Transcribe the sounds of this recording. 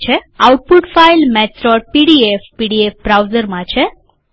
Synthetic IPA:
t͡ʃʰeawʈ̚puʈfailmɛtɾɔɾ̚piɽiefpiɽiefbɾawzəɾmãt͡ʃʰe

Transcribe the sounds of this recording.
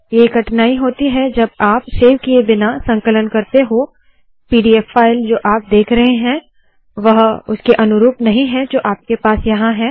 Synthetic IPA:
jeɡɐʈnaːiɦoːt̪iɦɛd͡ʒɐbaːpseːʋkiebɪnasɐ̃ŋkələnkɐɾt̪eɦo | piːɖiːɛfːaːɪld͡ʒoːʔaːp̚d̪eːkʰɾɐɦeɦɛ̃ | ʋɐɦʊskeʔɐnʊɾuːpnɐɦĩɦɛ̃d͡ʒoːʔaːp̚kepaːsjɐɦãɦɛː

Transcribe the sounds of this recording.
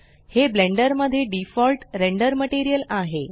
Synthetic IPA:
hebleɳɖəɾməd̪ʱːjeɖifɔlʈɾeɳɖəɾməʈiɾijəlaɦe

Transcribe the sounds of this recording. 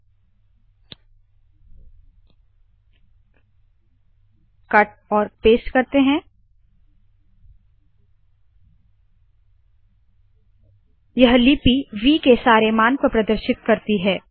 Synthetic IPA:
kɐʈ̚ɔːɾpeːʃkɐɾt̪eɦɛ̃ | jɐɦlipiʋiːkesaːɾemaːnpɐɾpɾɐd̪əɾʃɪt̪kɐɾt̪iɦɛː

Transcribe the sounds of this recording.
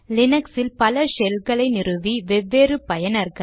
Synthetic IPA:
lɪnɐksɪlpɐlɐsɛlɣɐɭɐɪnɪrɯʋiʋɛʋːeːrɯpɐjɐnɐɾɣɐɭ

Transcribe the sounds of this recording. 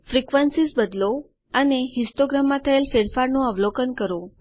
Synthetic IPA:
fɾikʋənsisbəd̪lo | əneɦisʈoɡɾamːãt̪ʰəelfeɽfaɾnũəʋlokənkəɾo

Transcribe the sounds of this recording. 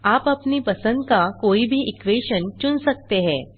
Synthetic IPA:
apapniːpəsə̃nd̪kakoibʱiːʔikʋeɕənt͡ɕunsək̚t̪eɦɛ̃

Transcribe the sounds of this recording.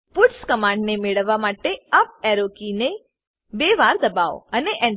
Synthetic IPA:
pʊʈskəmãɳɖnemeɭəʋːamaʈeap̚ɛɾokine | beʋaɾd̪əbao̰əneʔɛ̃n

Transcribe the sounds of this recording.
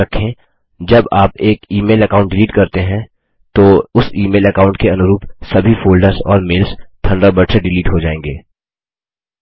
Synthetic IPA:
ɐkʰẽ | d͡ʒɐbaːpeːkiːmeːlɐkaːʊ̃ɳʈ̚ɖɪliːʈkɐɾt̪eɦɛ̃ | t̪oːʊsiːmeːlɐkaːʊ̃ɳʈkeɐnʊɾuːpsɐbʱifoːlɖəɾzɔ̰ːɾmeːlst̪ʰɐ̃ɳɖabɐɖseɖɪliːʈɦod͡ʒaːẽːŋɡeː

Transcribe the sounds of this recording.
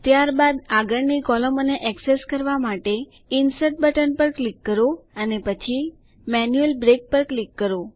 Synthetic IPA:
t̪jaɾbad̪aɡəɳnikɔləmoneʔɛkseskəɾʋamaʈe | insəʈ̚bəʈənpəɾklikːəɾoənepət͡ʃʰi | mɛnjuelbɾek̚pəɾklikːəɾo

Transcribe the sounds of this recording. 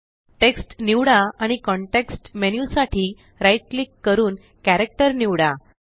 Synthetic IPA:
ʈeksʈniʋɽaaɽ̃ikɔɳʈeksʈmenjusaʈʰiː | ɾajʈ̚likːəɾuːn | kæɾek̚ʈəɾniʋɽa

